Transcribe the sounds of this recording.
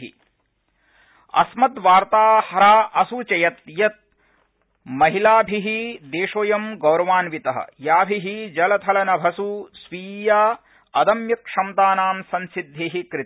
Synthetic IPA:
ḭ | ɐ̰smɐt̪ʋaːɾt̪aːhɐɾaːʔɐsut͡ʃɐjɐt̪jɐt̪̚ | mɐɦilaːbʱiɦid̪eːʂoːjɐmɡɐwɾɐʋaːnʋit̪ɐɦɐ̰jaːbʱiɦid͡ʒɐlɐt̪ʰɐlɐnɐbʱɐsusʋiːjaː | ɐd̪ɐmjɐkʂɐmt̪aːnaːmsɐnsid̪ʱːeːɦikɾɪ

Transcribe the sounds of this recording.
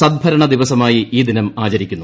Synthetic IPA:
sɐd̪̚bʱɐɾɐɳɐd̪iʋɐsɐmaːjiiːd̪inɐmaːt͡ɕɐɾikʲːunːu

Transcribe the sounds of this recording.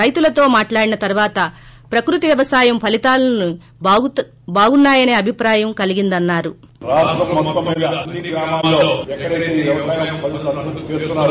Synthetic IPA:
ɐjt̪ulɐt̪o̞ːmaːʈlaːɽinɐt̪ɐɾuʋaːt̪ɐ | pɾɐkɾut̪iʋjɐʋɐsaːjɐmpʰɐlit̪aːlɐnu | baːɡunːaːjɐne̞ːɐbʱipɾaːjɐmkɐliɡind̪ɐnːaːɾu | ɾaːsʈɾɐmːɔt̪ːɐmiːd̪ɐɐnːiɡɾaːmaːmloːɛkːɐɾɐkːiʋjɐʋɐsaːjɐmpɐlsɐut̪i̥t͡ʃeːst̪unːaː

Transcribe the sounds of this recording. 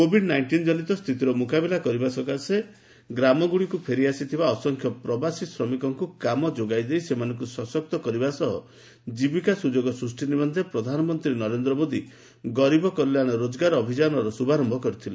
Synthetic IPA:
kobʱiɖnajɳʈind͡ʒɔnit̪ɔst̪ʰit̪iɾɔmukabilakɔɾibasɔkase | ɡɾamɔɡuɽikupʰeɾiasit̪ʰibaɔsɔŋkʰjɔpɾɔbasisɾɔmikɔŋkukamɔd͡ʒoɡajd̪ejsemanɔ̃ŋkusɔsɔk̚t̪ɔkɔɾibasɔɦɔ̰ | d͡ʒibikasud͡ʒoɡɔsɾusʈinibɔnd̪ʱepɾɔd̪ʱanɔmɔnt̪ɾinɔɾend̪ɾɔmod̪i | ɡɔɾibɔkɔɾilaɽ̃ɔɾod͡ʒɔɡaɾɔbʱid͡ʒanɔɾɔsubaɾɔmbʱɔkɔɾit̪ʰile

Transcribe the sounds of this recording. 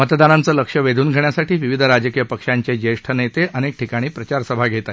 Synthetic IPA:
mət̪d̪anant͡səːləkʂəʋed̪ʱuːnɡʱəɳjasaʈʰiːʋiʋid̪ʱəɾad͡ʑəkijəpəkʂaɲt͡ɕed͡ʑəʂʈʰənet̪eənek̚ʈʰikaɽ̃iːpɾət͡ɕaɾsəbʱaɡʱet̪a

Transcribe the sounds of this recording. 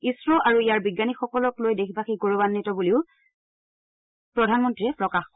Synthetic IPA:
isɹɔʔaɹuijaɹbiɡːanixɔkɔlɔklojdexʰibaxiɡoɹobanːitɔbuliʊ | pɹɔdʱanmɔntɹiɹɛpɹɔkax

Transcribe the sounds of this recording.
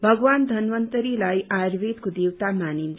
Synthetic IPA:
bʱʌɡwand̪ʱʌnʋʌnt̪əɾilajaɾbed̪kod̪ewt̪amanin

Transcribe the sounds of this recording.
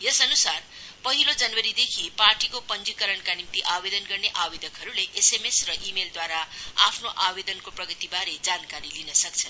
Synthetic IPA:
jʌsʌnusar | pʌɦilod͡zanwʌɾid̪ekʰiparʈikopʌnd͡zikʌɾʌɳkanimt̪iʔabed̪ʌnɡʌrneʔabed̪ʌkɦʌɾuleʔesemesrʌʔimeld̪waɾaapʰnoʔabed̪ʌnkoprʌɡʌt̪ibaɾed͡zankaɾilinʌsʌk̚t͡sʰʌn

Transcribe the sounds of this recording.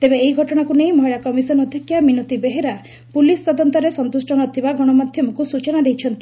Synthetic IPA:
t̪ebeːiɡʱɔʈɔɽ̃akunejmɔɦiɭakɔmisɔnɔd̪ʱikjaminot̪ibeɦeɾa | pulist̪ɔd̪ɔnt̪ɔɾesɔnt̪usʈɔɽ̃ɔt̪ʰibaɡɔɽ̃ɔmad̪ʱjɔmɔkusut͡ʃɔnad̪ejt͡ʃʰɔnt̪i̥

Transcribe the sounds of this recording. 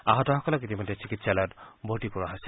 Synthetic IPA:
a̰ɦɔtɔhɔkɔlɔkit̪imɔdesikitsalɔtbʱoʈipuɹaɦasɛ

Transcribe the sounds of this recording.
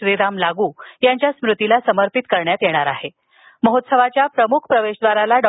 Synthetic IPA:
ʋiɾamlaɡuːjaɲt͡ɕjasmɾut̪ilasəməɾpit̪kəɾɳjat̪jeɽ̃aɾaɦe | məɦot̪səʋat͡ɕjapɾəmukʰpɾəʋeʂd̪ʋaɾalaɖɔ

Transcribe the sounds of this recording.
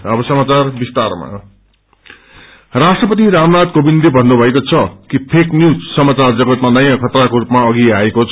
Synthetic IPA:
ʌbʌsʌmat͡sarbist̪arma̰ | rasʈrʌpʌt̪iɾamnad̪kobind̪ebʱʌndobʱʌekot͡sʰʌkipʰeknjud͡zsʌmat͡sard͡zʌɡʌt̪manʌjãkʰʌt̪rakoɾupmaʌɡiaekot͡sʰ

